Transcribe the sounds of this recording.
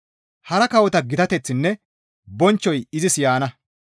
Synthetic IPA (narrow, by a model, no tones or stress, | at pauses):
hɐɾɐkɐwɔt̪ɐɡɪt̪ɐt̪ɛt͡sːɪnːɛ | bɔnt͡ʃːɔjɪzɪsjaːnɐ